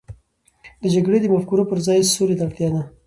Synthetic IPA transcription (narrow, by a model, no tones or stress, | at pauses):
d̪əd͡ʒaɡɽed̪əmafkuɾopəɾzɑjsoɾet̪aɽt̪jɑd̪a